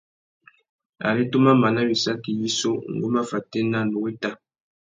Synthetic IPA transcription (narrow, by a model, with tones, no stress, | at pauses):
a̰˨ɾi˦to˦ma˦ma˨na˦wi˨sa˦ki˨ji˦so˦˨ŋ̩˨ɡo˦ma˦fa˨te˦na˦˨no˨ɣe˦ta˦˨